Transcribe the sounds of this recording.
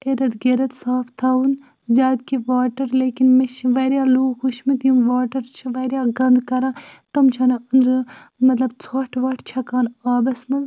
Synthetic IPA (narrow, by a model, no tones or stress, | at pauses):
eɾɐd̪ɡeɾɐt̪saːpʰt̪ʰaːun | zʲjaːd̪kiʋaːʈɐɾleːkinmet͡ʃʰiʋɐɾʲjaːluːɡxuʃmit̪ijumʋaːʈɐɾt͡ʃʰiʋɐːɾjaːɡɐ̃nd̪kɐɾãːt̪ɐmt͡ʃʰaːnɐɐnd̪ɾ | mɐt̪lɐbt͡sʰaːʈʰʋɐʈʰt͡ʃʰɐkaːnaːbɐsmɐ